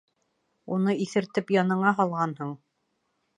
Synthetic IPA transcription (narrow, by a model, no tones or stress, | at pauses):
unɤiθɘ̆ɾt̪ɘpjɑnɤ̆ɴɑɦɑlˠʁɑnhoɴ